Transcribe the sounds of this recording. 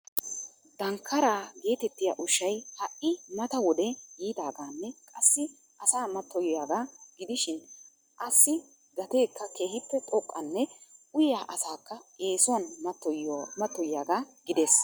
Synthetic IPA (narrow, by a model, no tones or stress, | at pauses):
d̪ɐŋkʰːɐɾaːɡe̞ːt̪ɛt̪ːɪjaʔʊʃːɐjhɐʔɪmɐt̪ɐwɔd̪ɛjiːd̪aːɡaːnːɛkʼɐsːɪ | ʔɐsaːmɐt̪ːɔjjaːɡaːɡɪd̪ɪʃɪn | ʔɐsːɪ | ɡɐt̪e̞ːkːɐkeːhɪpːɛt̪ʼɔkʼːɐnːɛʔʊjjaːʔɐsaːkːɐe̞ːsʊɐnmɐt̪ːɔjmɐt̪ːɔjɪjaːɡaːɡɪd̪es